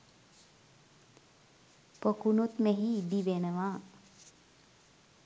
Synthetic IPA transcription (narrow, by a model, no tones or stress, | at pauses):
pokunut̪meɦibiʋenəʋa